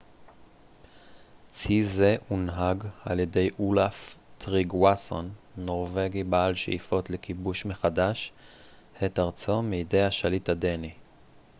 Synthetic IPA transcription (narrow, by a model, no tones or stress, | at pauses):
t͡sizeunɦaɡa̰ljede̞jʔulaftʁiɡwaso̰nːo̞ʁve̞ɡibaalʃḛʔifo̞tlekibuʃmeχadaʃ | hetaʁt͡someide̞jhaʃalithadeni